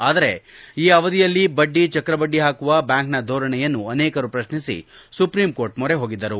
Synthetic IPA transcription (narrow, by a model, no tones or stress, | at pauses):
aːd̪ɐɾe̞iːɐʋɐd̪ijɐlːibɐɖːit͡ʃɐkɾɐbɐɖːiɦaːkuʋɐbjaːŋknɐd̪ʱoːɾɐɳɛjɐnːuɐneːkɐɾupɾɐʃnisḭ | supɾiːmko̞ːɾʈmɔɾeɦoːɡid̪ːɐɾu